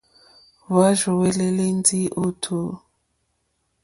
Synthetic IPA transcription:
βa˦ʒɔ˨wɛ˨lɛ˦le˦nd͡zi˦ʔo˦tʰo˨

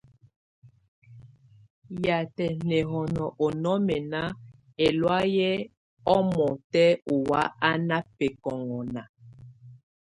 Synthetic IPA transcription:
ja˨tɛ˨nɛ˨ɦɔ˨nɔ˨ʔɔ˨nɔ˦mɛ˨na˦ | e˨lwa˦jɛ˦ | ɔ˦mɔ˨tɛ˦u˨wa˦a˦na˦pe˨kɔ˨ŋɔ˨na˨

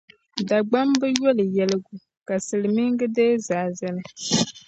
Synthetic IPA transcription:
da˨ɡ͡ba˦mbɨ˦jɔ˦lɨ˨jɛ˦lɨ˦ɡu˨ | ka˨sɨ˨lɨ˨mɨ˦ŋɡɨ˦dɛː˦zaː˨zɨ˦nɨ˦

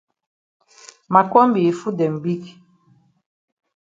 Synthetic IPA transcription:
ma˨kɔ˦mbi˨fu˦dɛ˨m̩˨bi˦k

